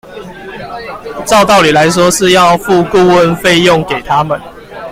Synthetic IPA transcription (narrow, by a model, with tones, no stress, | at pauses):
t͡sɑ˥˧ʊt̪ɑ˥˨ʊli˨˩la˨˧˦ɪs̬wɔ˦ʂɻ̩˥˧jɑ˥˧ʊfu˥˧ku˥˨wə˥˨nfe˥˧ɪjɔ˥˨ŋke˨˩ɪt̪ʰa˦mə˨n